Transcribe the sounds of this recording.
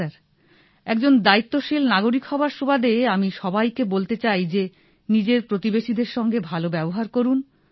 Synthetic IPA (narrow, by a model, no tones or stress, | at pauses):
aɾ | ɛkd͡ʑond̪ait̪ːoʃilnaɡoɾikhɔbaɾʃobad̪eamiʃɔbajkebolt̪et͡ɕajd͡ʑe | nid͡ʑeɾpɾot̪ibeʃid̪eɾʃɔŋɡebʱalobɛboɦaɾkoɾun